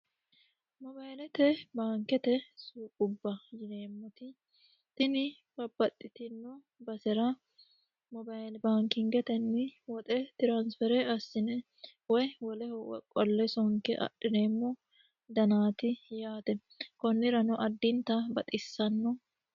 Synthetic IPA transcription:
mɔbajlɛt̪ɛbaːŋkɛt̪ɛsuːkʼʊbːɐjɪne̞ːmːɔt̪ɪ | t̪ɪnɪ | bɐbːɐt̪ʼːɪt̪ɪnːɔ | bɐsɛɾɐ | mɔbajlbaːŋkɪŋɡɛt̪ɛnːɪwɔt̪ʼɛt̪ɪɾaːnsfɛɾɛɐsːɪnɛ | wɔjwɔlɛhɔwɛ̰kʼɔlːɛsɔŋkɛʔɐ̰ɗːɪneːmːɔ | d̪ɐnaːt̪ɪjaːt̪ɛ | kɔnːɪɾɐnʊʔɐd̪ːɪnt̪ɐbɐt̪ʼɪsːɐnːɔ

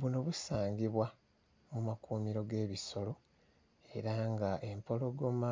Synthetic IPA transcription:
βuno̞βusaːŋɡiβwa | mumakuːmiɾo̞ɡe̞ːβiso̞lo̞ | e̞ɾaŋɡaʔempo̞lo̞ɡo̞ma

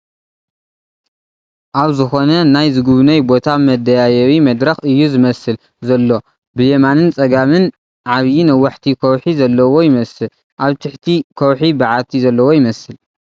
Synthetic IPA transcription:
ʔaβzɨxo̞nɐnajzɨɡuβnɐjbo̞t̪ʰamɐd̪ɐjajɐwimɐd̪ɾɐxɨjːuzɨmɐsɨl | zɐlːo̞ | bɨjemanɨnt͡sʼɐɡamɨn | ʕaβjinɐwːaħt̪ʰikʰɐwħizɐlːɐwo̞jɪmɐsɨl | ʔaβt̪ʰɨħt̪ʰikʰɐwħibaʕat̪ʰizɐlːɐwo̞jɪmɐsɨl

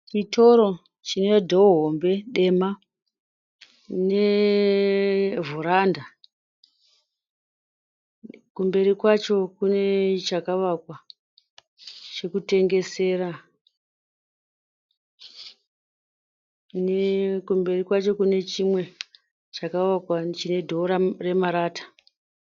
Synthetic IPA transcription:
t͡ʃitʰo̞ɾo̞ | t͡ʃine̞dʱoɦombe̞ɗe̞ma | ne | vuɾanda | kumbe̞ɾikwat͡ʃo̞kune̞t͡ʃakaʋakwa | t͡ʃe̞kute̞ŋɡe̞se̞ːɾa | nekumbe̞rikwat͡ʃo̞kune̞t͡ʃimwe̞ | t͡ʃakaʋakwat͡ʃine̞dʱo̞ɾare̞maɾaːtḁ

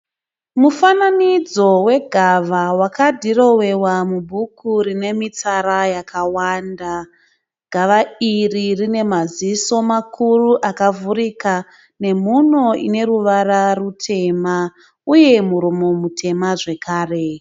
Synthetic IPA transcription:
mufananid͡zo̞we̞ɡʱaʋawakadʱiro̞we̞wamubʱukʰurine̞mit͡saɾajakʰawanda | ɡ̥ʱaʋairirine̞maziso̞makʰuruʔakavuɾika | ne̞muno̞ḭne̞ruʋararutʰe̞ma | uje̞muɾomo̞mutʰe̞maʐe̞kaːre̞

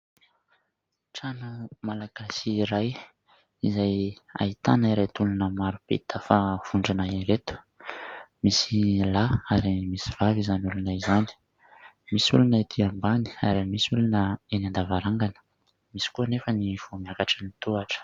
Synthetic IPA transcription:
ʈ͡ʂanumalaɡ̥asiːɾaj | izaja̰it̪a̰naiɾajt̪ulunəmaɾupḛt̪əfav̥uɳɖ͡ʐanaiɾet̪u̥ | misilaaɾimisiv̥avizanulanaizani̥ | misṵlunəit̪ʰiambani̥a̰ɾimisulunəenand̪avaɾaŋɡanə̥ | misi̥kuənefəniv̥omiakaʈ͡ʂənit̪uaʈ͡ʂə̥

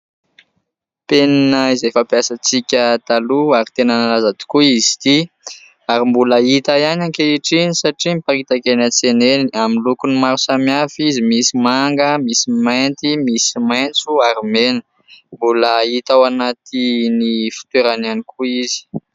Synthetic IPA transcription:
p̪eninəizejfapjasat͡sikʲət̪aluaɾit̪enanalazad̪i̥kuizi̥t̪i | aɾimbuləit̪ajanaŋkeiʈ͡ʂinisaʈ͡ʂimipaɾit̪akenət͡seneniaminlukunimaɾusamafizimisimaŋɡəmisimajnt̪imisimajnt͡suaɾimenə̥ | mbuləit̪awanat̪inifi̥t̪eɾananikuizi̥

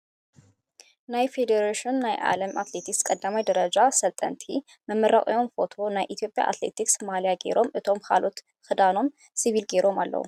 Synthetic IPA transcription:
najfe̞d̪eɾaʃinːajʔa̰ləmʔat̪le̞t̪ʰikskʼɐd̪ːamajd̪ɐɾəd͡ʒasɐlt̪ʼə̰nt̪ʰi | məmːəɾakʼə̰jo̞mfo̞t̪ʰo̞najʔit̪ʰijo̞pʼja̰ʔa̰t̪le̞̰t̪ʰiksmalijaɡe̞̰ɾʔo̞mʔɨt̪ʰo̞mka̰lot̪ | kɨd̪ano̞m | siβilɡeɾo̞malːə̰ṵ

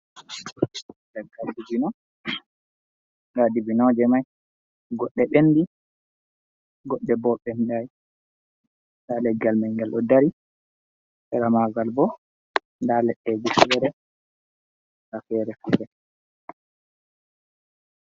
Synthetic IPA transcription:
dɛɡadibinɔ | ɡadibinɔd͡ʒɛmaj | ɡɔɗːɛɓendi | ɡɔɗːɛbɔɓɛnɗaj | ndalɛɡːalmɛŋɡɛlʔɔdaɾi | ɛɾamaɡalbɔ | ndalɛɗːɛd͡ʒifɛɾɛ | kafɛɾɛfɛːɾɛ

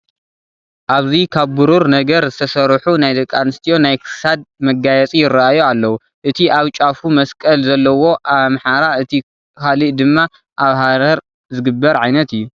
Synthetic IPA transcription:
ʔaβzikʰaβbuɾuɾnɐɡɐɾzɨt̪ʰɐsɐɾħunajd̪ɐkʼːanɨst̪ʰijo̞najkʰɨ̥sad̪̚mɐɡajɛt͡sʼijɪɾːaʔajualːɐwu | ʔɨt̪ʰiʔaβt͡ʃʼafumɐskʼɐlzɐlːɐwo̞ʔaβmħaɾaɨt̪ʰi | kʰaliʔd̪ɨmːa | ʔaβhaɾɐɾ | zɨɡɨbːɐɾʕajnɐt̪ɨjːu

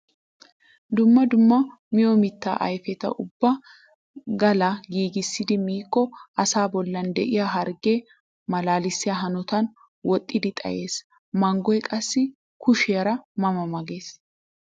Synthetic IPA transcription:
d̪ʊmːɐd̪ʊmːɐ | mɪjomɪt̪ːa̰ːʔɐ̰jfɛt̪ɐ̰ʔʊbːɐ | ɡɐlaɡiːɡɪsːɪd̪ɪmiːkːɔʔɐsaːbɔlːɐnd̪ɛʔɪjaɦɐɾɡeː | mɐlaːlɪsːɪjɐɦɐnɔt̪ɐn | wɔt̪ʼːɪd̪ɪt̪ʼɐ̰jʔe̞ːs | mɐŋɡɔjɛkʼɐsːɪ | kʊʃɪjɐɾɐmɐmɐmɐɡe̞ːs

